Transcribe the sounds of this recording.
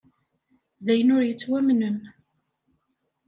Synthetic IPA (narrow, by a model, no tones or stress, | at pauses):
ðæjənʊɾjət͡sːwæmnən